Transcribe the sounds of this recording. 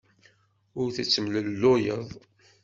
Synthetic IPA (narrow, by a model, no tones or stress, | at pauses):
ʊɾθət͡sːəmləlːojəðˤ